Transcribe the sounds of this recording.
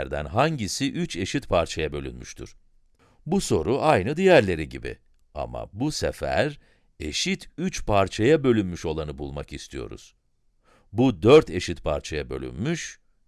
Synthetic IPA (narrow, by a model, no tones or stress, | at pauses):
ɾd̪æ̰nɦaɲɟisiʔyt͡ʃʰe̞ʃit̪pʰaɾt͡ʃʰajabø̞lʲy̰nmyʃt̪ʰuɾ̥ | buso̞ɾuʔajnɯd̪ijæɾlʲe̞ɾiɟibḭ | a̰ma̰busḛfæ̰ɾ | e̞ʃit̪ʰyt͡ʃpʰaɾt͡ʃʰajabø̞lʲynmyʃo̞lˠanɯbulˠmakist̪ʰijo̞̰ɾṵz̥ | bud̪øɾt̪ʰe̞ʃit̪pʰaɾt͡ʃʰajabø̞̰lʲy̰nmyʃ